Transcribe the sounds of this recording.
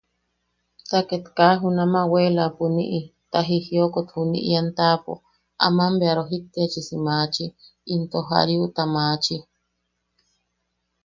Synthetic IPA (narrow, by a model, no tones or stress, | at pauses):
t̪aket̪kaɦunamawelapunḭʔit̪aɦihiokot̪hunḭʔijant̪apo̰ | a̰mambeaɾoɦit̪ːiat͡ʃisimaːt͡ʃiː | nt̪oɦa̰ɾjut̪amaːt͡ʃi